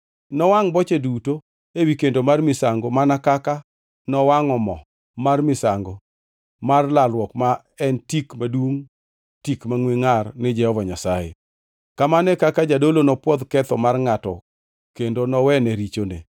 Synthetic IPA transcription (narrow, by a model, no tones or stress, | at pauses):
nɔwaŋbɔt͡ʃeduto | ewikendomarmɪsaŋɡomanakaka | nɔwaŋɔmɔ | marmɪsaŋɡo | marlalwɔkma | ɛntikmadwuŋ | tikmaŋweŋarnɪd͡ʒɛhɔvaɲasajḛ | kamanɛkakad͡ʒadolonɔpwɔd̪kɛt̪ɔmarŋatɔ̰ | kendonɔwɛnɛɾit͡ʃonḛ